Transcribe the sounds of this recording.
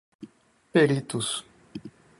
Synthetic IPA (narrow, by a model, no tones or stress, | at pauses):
peɾit̪us